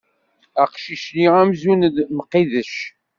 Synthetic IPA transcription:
æqʃiʃniʁæmzund̪məqːiðəʃ

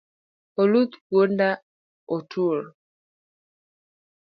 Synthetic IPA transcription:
olut̪ɡonda | otʰuɾ

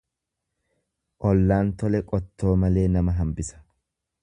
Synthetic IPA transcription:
ʔɔlːaːnt̪ɔlɛkʼɔt̪ːo̞ːmɐle̞ːnɐmɐɦɐmbɪsɐ̥

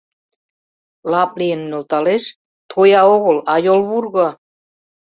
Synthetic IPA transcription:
lɑp̚lijə̆nːø̆lt̪ɑleʃ | t̪ʰojɑoɣɤ̆lɑjolβurɣɤ̆

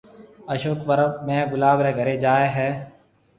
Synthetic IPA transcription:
əʃoːt̪̚bəɾəbmẽːɡʊlaːbɾɛ̃ːɡʱəɾeːd͡ʒaːeːɦɛː

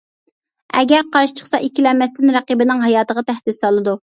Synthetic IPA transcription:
ɛ̰ɡʲæɾqʰɑɾʃi̥t͡ʃʰə̥χsɑʔikʲilɛmːɛst̪ɪnɾæqibɪnɪŋɦɑjɑːt̪əʁɑt̪ʰæhd̪ɪsɑlˠɨd̪u

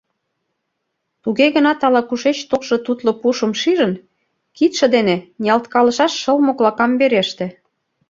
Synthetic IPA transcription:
t̪uɣeɣə̆nɑt̪ɑlɑkuʃet͡ɕt̪olʃŏt̪ut̪lŏpuʃə̆mʃiʒə̆n | kit̪ʃĕd̪enenʲiɑlt̪kɑlɤ̆ʃɑʃːɤlmoklɑkɑmbeɾeʃt̪ĕ

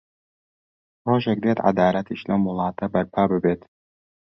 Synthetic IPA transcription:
roːʒek̚d̪et̪ʕa̰d̪aːlɐt̪ʰiʃlɐmʊlˠɑːt̪ʰɐbɐɾpʰaːbɨbeːt̪

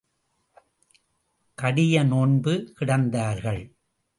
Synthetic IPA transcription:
kɐɽɪjɐnoɳbɯkɪɽɐnd̪aːɾɣɐɭ

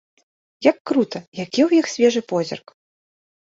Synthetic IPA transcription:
jɐkːɾut̪ɐjakʲiwjixsʲvʲɛʐɨpɔzʲḭrk

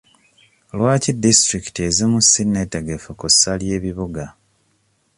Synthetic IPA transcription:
lwaːcidistɾiki̥tiezimusinːe̞teɡefukusːalje̞ːβiβuɡa

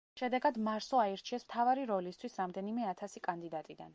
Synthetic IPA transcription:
ʃɛd̪ɛɡad̪maɾsɔaɛɾt͡ʃʰiɛsmt̪ʰavaɾiɾɔlist̪ʰwisɾamd̪ɛnimɛat̪ʰasikʼand̪id̪at̪ʼid̪a̰n

